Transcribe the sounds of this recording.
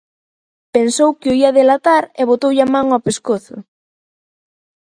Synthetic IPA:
pensowkɪoiaðelat̪aɾeβot̪owʎamãŋapeskoθʊ̰

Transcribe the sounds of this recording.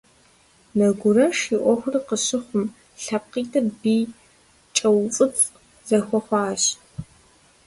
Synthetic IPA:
nɐɡʷʊrɐʃiʔʷɔxʷʊrɨqəɕɪχʷʊm | ɬɐp̚qiːtʰɐrbiː | t͡ʃʼɐwt͡sʼɨt͡sʼ | zɐxʷɔxʷɑːɕ

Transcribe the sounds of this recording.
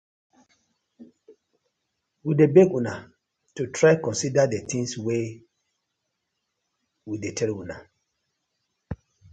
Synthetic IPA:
widebeɡuna | tutʰɹakɔ̃nsidadet̪ʰĩŋswe | widetʰɛluna

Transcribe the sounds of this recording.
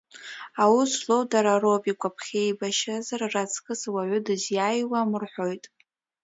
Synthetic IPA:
awuslo̞wdaɾaro̞pʼikʷʼapʰχʲejbaʃazararat͡sʰʼkʼɨswaʕʷʊdɨzjajwamɨrħʷo̞jtʼ

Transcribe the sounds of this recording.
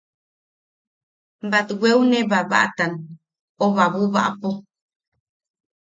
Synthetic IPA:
bat̪ɡʷweuneβaβa̰ʔt̪an | oβaβuβa̰ʔapo

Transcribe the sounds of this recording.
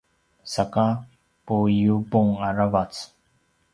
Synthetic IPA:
saka | pujubuŋaɾavat͡s

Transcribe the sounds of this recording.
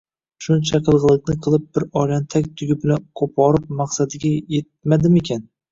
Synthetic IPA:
ʃʊnt͡ʃʰaqʰɨlˠʁɨlˠɪkʲnɪqʰɨlˠɪp̚bɪɾɒlant̪ʰakʲt̪ʰʊɡʲʊpnɪqʰopʰɒɾɪp̚mɑqsad̪ɪɡʲajet̪̚mad̪ɪmekʲʰan

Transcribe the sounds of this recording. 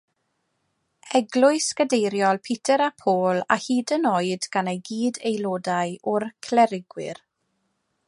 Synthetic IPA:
ɛɡlˠʊɨskədejɾjɔlˠpʰɪtʰəɾapʰoːla̰hiːdənoɨdɡ̥anejɡiːdejlˠoːdajʔʊrkʰlɛɾɪɡwɪ̰r

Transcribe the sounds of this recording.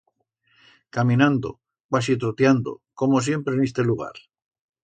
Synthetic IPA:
kamĩnãnd̪o̰ | kwasit̪ɾot̪jand̪o̰ko̞mosje̞mpɾenest̪e̞luɣ̞a̰ɾ

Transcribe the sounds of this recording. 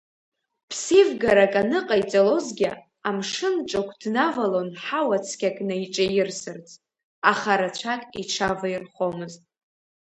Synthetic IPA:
pʰsivɡaɾakʼanɨqʼait͡sʼalo̞zɡʲɪ | amʂɨnʈ͡ʂʼakʷʰdnavalo̞nħawat͡sʰkʲʰakʼnaiʈ͡ʂʼajɪrsɨrt͡sʼ | aχaɾat͡ʃʷʰakʼḭʈ͡ʂʰavairχo̞mɨztʼ

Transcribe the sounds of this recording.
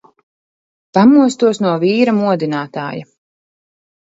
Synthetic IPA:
pamuɔst̪uɔsnuɔviːɾamuɔd̪inaːt̪a̰ːja̰

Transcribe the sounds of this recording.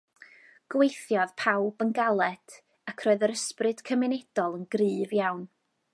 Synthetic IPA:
ɡ̥wejθjɔðpʰawbənɡalˠɛd | akʰrɔɨðəɾəsprɨd̥kʰəmɪnɛd̥ɔlˠənɡrɨːvjawn

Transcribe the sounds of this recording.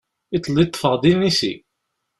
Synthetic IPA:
it̪ˤːlːit̪ˤːə̥fəʁd̪inisḭ

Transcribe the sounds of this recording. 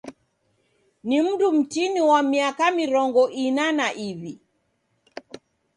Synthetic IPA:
nim̩dum̩tiniwamiakamiɾɔŋɡɔʔinanaʔiβi

